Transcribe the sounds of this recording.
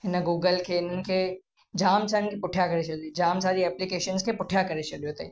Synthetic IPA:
ɦɪnəɡuːɡəlkʰeɪn̤ənɪ̆kʰe | d͡ʒaːmsaːɪnɪkʰepʊʈʰjakɐɾet͡ʃɐld͡ʒaːmsaːd̪iɛːplikeːʃənskʰepʊʈʰijakɐɾet͡ʃɐɗijot̪ʰɐi

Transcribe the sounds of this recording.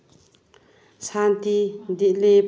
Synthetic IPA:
sʰant̪id̪iʔlep

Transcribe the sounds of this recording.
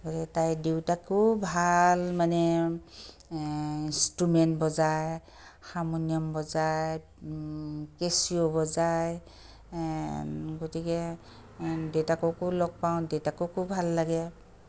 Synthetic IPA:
ɡotikɛtajdewtakʰubʱalmanɛ | instɹumɛntbɔzaj | xamɔniɔmbɔzaj | kesiobɔzaj | ɡotikɛ | dewtakɔkʊlɔɡ̚paw̃dewtakʊkʰubbʱalːaɡɛ

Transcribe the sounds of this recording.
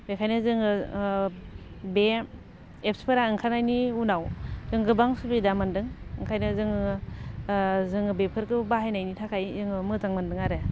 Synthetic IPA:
bekʰajnɯzɯŋɯ | be | ep̚spʰɯɾaɯŋkʰanajniunawzɯŋɡɯbaŋsubidamɯndɯŋɯŋkʰajnɯzɯŋ | zɯŋɯbepʰɯɾkɯbaɦajnajnitʰakʰajzɯŋɯmɯzaŋmɯndɯŋaɾe

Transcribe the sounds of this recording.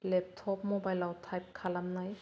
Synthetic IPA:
lɛp̚tʰɔpmɔbajlawtʰajp̚kʰalamnaj

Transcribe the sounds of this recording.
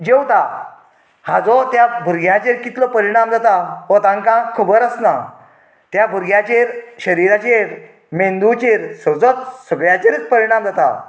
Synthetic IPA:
d͡ʑewt̪a | had͡zɔt̪jabʱuɾɡʱjat͡ɕeɾkit̪ləpəɾiɽ̃amd͡zat̪aʋɔt̪ãŋkãkʰubəɾəsna | t̪jabʱuɾɡjat͡ɕeɾɕəɾiɾat͡ɕeɾ | mẽnd̪ut͡ɕeɾsəd͡zɔt̪səɡɭjat͡ɕeɾit͡spəɾiɽ̃amd͡zat̪a̰

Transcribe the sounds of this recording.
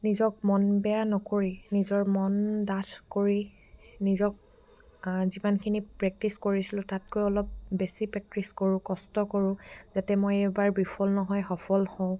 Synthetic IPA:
nizɔk̚mɔnbɛjanɔkoɹinizɔɹmɔndatʰkoɹi | nizɔk̚ | zimankʰinipɹɛk̚tiskoɹisilʊ̃tatkojɔlɔp̚besipɹɛk̚tɹiskoɹʊ̃kɔstɔkoɹʊ̃zatɛmojebaɹbipʰɔlnɔɦɔjxɔpʰɔlhɔ̃ʊ̃

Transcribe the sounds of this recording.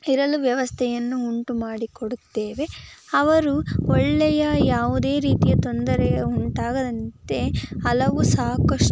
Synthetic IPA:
iɾɐluʋjɐʋɐst̪ʰɛjɐnːuuɳʈumaːɽikoɽut̪ːeːʋe̞ɐʋɐɾuɔɭːɛjɐjaːʋud̪e̞ːɾiːt̪ijɐt̪ond̪ɐɾɛjɐuɳʈaːɡɐd̪ɐnt̪e̞ɐlɐʋusaːkɐʂ

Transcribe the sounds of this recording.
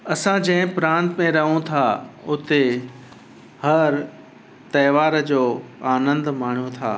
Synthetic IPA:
ɐsãd͡ʑɐ̃ɦɪ̃pɾãːnt̪mẽɾɐɦũt̪ʰaʊt̪e | hɐɾ | t̪ɐːʋaːɾd͡ʑoːaːnə̃nd̪maːɳ̤jot̪ʰa̰ː

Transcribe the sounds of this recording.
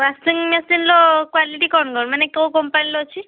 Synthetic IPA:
ɾasiŋmesinlɔkwaliʈikɔnɡɔɽmanɛkewkɔmpajnlɔt͡ʃʰi

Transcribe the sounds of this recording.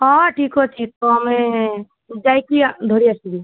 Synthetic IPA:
ɔ̃ʈʰikot͡ʃʰit̪oɦme | d͡ʒajkid̪ʱoɾiasiɡi

